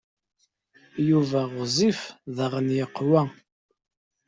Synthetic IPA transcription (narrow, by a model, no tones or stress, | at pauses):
juvæʁʊzˤifðəʁənjəqːwæ